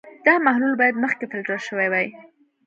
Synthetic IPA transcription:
d̪̥ɑmahlulbɑjad̪məxkefɪlʈəʃəwajwaj

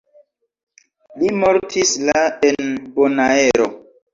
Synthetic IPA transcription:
limoɾtʰislaenbonaeɾo̰

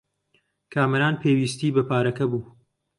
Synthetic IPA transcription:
kʰaːmɐɾaːnpʰeːwiːst̪iːbɐpʰaːɾɐkɐbuː

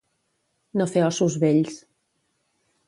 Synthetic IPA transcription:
nofeɔsuzβeʎs

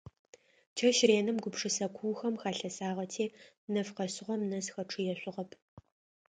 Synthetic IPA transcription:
t͡ʃʰɐʃreːnɨmɡʷʊpʂɨsɐkʷʰʊːxɐmxaːɬɐsaːʁɐtʰeː | nɐfqɐsɨʁʷɔmnɐsxɐʈ͡ʂʰɨjɛɕʷʊʁɐpʰʼ

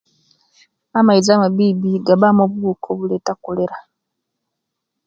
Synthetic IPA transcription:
amaizamaβiːbiɡaβamoβuβukʰoβuletakoleɾa

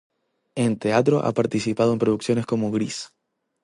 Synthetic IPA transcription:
e̞nt̪e̞at̪̬ɾo̞̰ʔa̰paɾt̪isipaðoe̞mpɾo̞ðuksjo̞ne̞sko̞moɣɾis

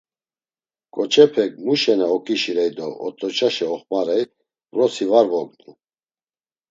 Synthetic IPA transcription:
kʼɔt͡ʃʰɛpʰɛk̚ʼmuʃɛnɛɔkʼiʃiɾɛjd̪ɔɔ̰t̪ʼɔt͡ʃʰʼaʃɛɔχmaɾɛj | vrɔsivaɾvɔɡnu

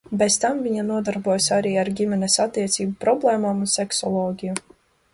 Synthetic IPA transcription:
bɛzt̪amviɲanuɔd̪aɾbuɔjsaɾiːaɾɡʲimɛnɛsat̪ːiɛt̪sʲiːbupɾɔblˠɛːmaːmunsɛksɔlˠɔːɡʲiju

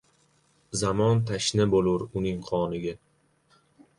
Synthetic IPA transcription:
zamɒnt̪ʰaʃnɪbolˠʊɾʊnɪŋqʰɒnɪɡʲa

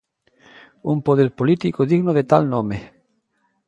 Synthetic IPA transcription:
umpoðeɾpolit̪ikoðiɣnoðet̪alnõme

